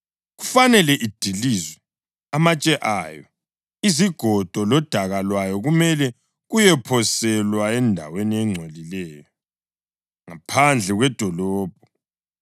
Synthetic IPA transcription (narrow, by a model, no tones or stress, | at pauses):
ɣufanɛlɛʔid̥ʱilizwɛ | amat͡ʃʼɛʔaːjɔ | iziɡ̥ʱɔd̥ʱɔlɔd̥ʱaɣalwajɔɣumɛlɛ | ɣujɛpʰɔsɛlwaɛndʱa̰weniɛŋ͡ǀʱwelilɛːjɔ | ŋapʰand͡ɮʱɛɣwɛd̥ʱɔlɔːb̥̚ʱɔ